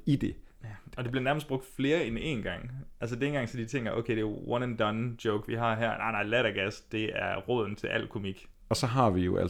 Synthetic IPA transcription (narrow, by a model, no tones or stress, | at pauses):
id̥e̝ | ɒ̽d̥eb̥liɐnæɐməsd̥̚b̥ʁɔ̽ɡ̥d̥fle̝ːɐene̝̰nɡ̥ɑ̈ŋ̰æls̬əd̥enɡ̥ɑ̈ŋsɒ̽d̥it͡sʰeŋ̰ɡ̥ɐʔo̰ʊkʰeɪd̥e̝wɒnænd̥ɒnd̥joʊɡ̥ʋiɦɑ̈ɦæɐ̰nɑ̈ɪnɑ̈ɪlæɾɐɡ̥æsd̥e̝æɐʁɔðˠn̩t͡sʰe̝lʔæl̰kʰo̝miɡ̥ | ɒ̽sɒ̽ɦɑ̈ʋijo̝ʔæ̰